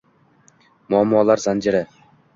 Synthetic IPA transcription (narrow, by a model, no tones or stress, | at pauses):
mʊamːɒːlˠaɾzand͡ʒɪɾa